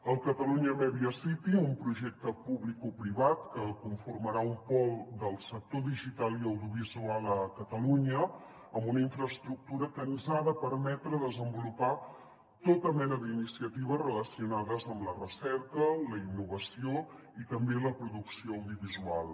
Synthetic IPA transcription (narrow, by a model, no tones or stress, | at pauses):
əlˠkət̪əluɲəmɛβiəsit̪iumpɾuʒɛk̚t̪əpuβlikupɾiβat̪kəkuɱfurməɾaumpɔlˠd̪əlˠsək̚t̪oðiʒit̪alˠiəwðiuβ̞izualˠəkət̪əluɲə | əmbunəiɱfɾəst̪ɾuk̚t̪uɾəkənzaðəpəɾmɛt̪ɾəðəzəmbulupa | t̪ot̪əmɛnəðinisiət̪iβ̞əsrələsiunaðəzəmlərəsɛɾkələinːuβ̞əsio | it̪əmbeləpɾuðuksioəwðiuβizualˠ